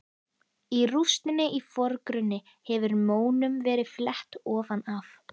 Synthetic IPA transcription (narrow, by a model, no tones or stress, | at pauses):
irust̪ɪnːɪʔifɔɾkɾʏnːɪ | hɛvʏɾmoːwnʏmvɛːɾɪðflɛht̪ɔːvanaf